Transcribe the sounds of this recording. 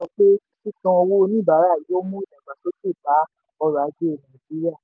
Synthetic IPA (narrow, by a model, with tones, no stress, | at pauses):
ɔ̃˧˦k͡pe˦si˦kã˧ɔ˧wo˦˧nĩ˦˨ba˨˦ɾa˦˨ji˨˦o˦mũ˦i˦˨nɛ̃˨ɡ͡ba˨so˦ti˦˨ba˨˦ | ɔ˧ɾa˨˦d͡ʒe˦e˨nã˨d͡ʒi˨˦ɾi˦a˦˨